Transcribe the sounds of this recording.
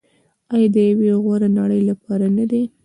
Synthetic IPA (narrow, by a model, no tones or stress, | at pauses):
ɑjɑd̪əjaweɣwaɾanaɽəjlapɑɾanad̪e